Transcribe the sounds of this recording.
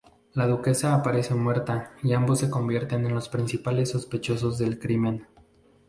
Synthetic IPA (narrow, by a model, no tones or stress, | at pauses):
lað̞uke̞saːpaɾe̞se̞mwe̞ɾt̪aiambo̞sːe̞ko̞mbje̞ɾt̪e̞ne̞nlo̞spɾinsipale̞sːo̞spe̞t͡ʃo̞s̬o̞zðe̞lkɾimẽ̞n